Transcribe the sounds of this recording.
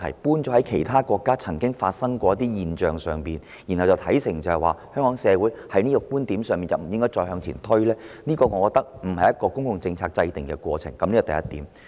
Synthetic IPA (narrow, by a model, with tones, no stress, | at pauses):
ɐ̰˨˩jpuː˥nt͡sɔː˨˥hɐ˨˥jkʰe˨˩jt̪ʰaː˥kʷɔː˧kːaː˥t͡sʰɐ˨˩ŋkɪ˥ŋfa̰ː˧t̚sɐ˥ŋkʷɔː˧jɐ˥t̪iː˥jiː˨nt͡ʃœː˨˩ŋsœː˨ŋpiː˨n | ji˨˩nhɐ˨˩wt͡sɐ˨˩wt̪ʰɐ˨˥jsɪ˨˩ŋt͡sɐ˨˧hɐ˨jwaː˨˩hœː˥ŋkɔː˨˥ŋsɛː˨˧wuː˨˥jhɐ˨˥jniː˥kɔ˧kuː˥nt̪i˨˥msœː˨ŋmiː˨nt͡sɐ˨wm̩˨˩jɪ˥ŋkɔː˥jt͡ʃɔː˧jhɦœː˧ŋt͡sʰḭː˨˩nt̪ʰɵ˥ɥlɛː˥niː˥kɔː˧ŋɔː˨˧kɔː˧k̚t̪ɐ˥k̚m̩˨˩hɐ˨jːɐ˥t̚kːɔː˧kʊ˥ŋkʊ˨ŋt͡sɪ˧ŋt͡sʰaː˧k̚t͡sɐ˧jt̪ɪ˨˩ŋkɛ˧kwɔ̰ː˧t͡sʰɪ˨˩ŋkɐ˨mliː˥kɔ˨˩t̪ɐ˨jɐ˥t̪iː˨˥m